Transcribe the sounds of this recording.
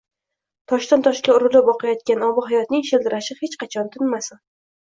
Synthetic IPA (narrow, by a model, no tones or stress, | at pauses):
t̪ʰɒʃt̪ant̪ʰɒʃkʲaʊɾʊlɪpɒqɑjɒt̪̚kʲanɒbɪɦajɒt̪nɪŋʃɪld̪ɪɾaʃɪhet͡ʃqɑt͡ʃʰɒnt̪ʰɪnmasɪ